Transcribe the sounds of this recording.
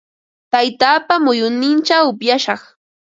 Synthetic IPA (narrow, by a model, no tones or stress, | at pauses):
t̪ajt̪aːpamʊjʊnɪnt͡ʃawʊpjaʃɑχ